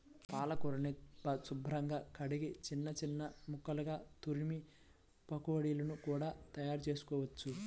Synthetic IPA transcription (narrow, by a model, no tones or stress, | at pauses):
paːlɐkuɾɐnipɐsubʱɾɐŋɡaːkɐɽiɡit͡ʃinːɐt͡ʃinːɐmukːɐlɐɡaːt̪uɾmi | pɐkuʋɐɽijlɐnukuːɽaːt̪ɐjaːɾut͡ʃe̞ːsu̥kɔːʋɐt͡ʃːu